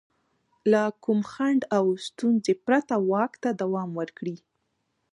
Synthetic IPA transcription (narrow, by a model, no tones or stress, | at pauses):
lakumxaɳɖawst̪unzepɾat̪awɑkt̪ad̪awɑmwəɾkɽi